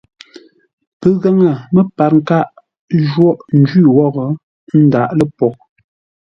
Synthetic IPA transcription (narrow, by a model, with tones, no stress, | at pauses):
pə˨ɣa˦ŋə˨mə˦pa˨ɾŋ̩˦ka˦ʔ | ʒwɔ˦ʔn̩˦d͡ʒi˦˨wɔ˦˨ɣə˨ | n̩˦da˨ʔlə˦˨pɔ˨ʔ̚